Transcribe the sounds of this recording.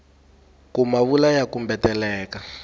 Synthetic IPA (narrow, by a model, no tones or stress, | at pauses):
kumaβulajakumbɛtɛlɛːka